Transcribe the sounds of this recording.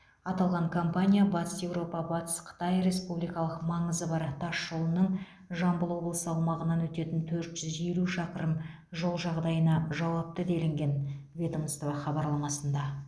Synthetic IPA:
ɑt̪ɑlˠʁɑɴkʰo̞mpanʲijabɑt̪ə̥sje̞wɾo̞pɑbɑt̪ə̥sqʰə̥t̪ɑjɾe̞spublijkɑlˠəqmɑɴəzəbɑɾt̪ʰɑʃːolˠənəɴ | ʒɑmbəlˠwo̞blˠəsəɑwmɑʁənɑnwɵt̪e̞t̪ɪnt̪ʰɵɾt̪ʒ̥ʏzʒe̞luʃɑqəɾəm | ʒolˠʒɑʁd̪ɑjənɑʒɑwɑp̚t̪əd̪e̞lɪŋɡʲe̞nvʲe̞t̪omst̪ovɑχɑbɑɾlˠɑmɑsənd̪ɑ

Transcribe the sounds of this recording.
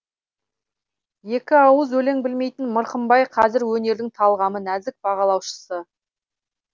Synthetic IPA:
je̞kʲɪɑwəzwɵle̞ŋbɪlme̞jt̪ɪnməɾqəmbɑjqʰɑzɪɾwɵne̞ɾd̪ɪŋt̪ʰɑlˠʁɑmənæzɪk̚bɑʁɑlˠɑwʃə̥sə

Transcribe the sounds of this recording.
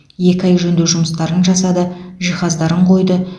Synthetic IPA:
je̞kʲɪɑjʒɵnd̪ewʒʊməst̪ɑɾənʒɑsɑd̪əʒijχɑzd̪ɑɾəɴqʰo̞jd̪ə

